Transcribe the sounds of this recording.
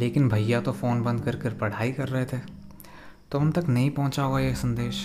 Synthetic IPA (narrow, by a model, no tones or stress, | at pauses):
leːkɪnbʱɐːat̪ofoːnbɐ̃nd̪̚kɐɾkeɾpɐɽ̤aːikɐɾːɐɦet̪ʰe | t̪oʊnt̪ɐknɐɦĩpɐ̃ɦʊ̃t͡ʃaɦoːɡajeːsɐ̃nd̪eːʃ